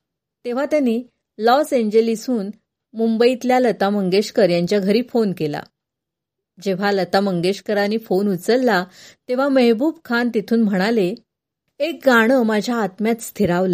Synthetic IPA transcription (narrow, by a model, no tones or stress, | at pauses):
t̪eʋ̤at̪janːiː | lɔseɲd͡ʑəlisuːn | mumbəit̪ljalət̪aməŋɡeɕkəɾjaɲt͡ɕjaɡʱəɾiːfonkela̰ | d͡ʑeʋ̤alət̪aməŋɡeɕkəɾanːiːfonut͡səɾːat̪eʋ̤aməɦbuːbkʰant̪it̪ʰuːnm̤əɽ̃ale | ek̚ɡaɽ̃əmad͡ʑʱjaːt̪mjat̪st̪ʰiɾaʋlə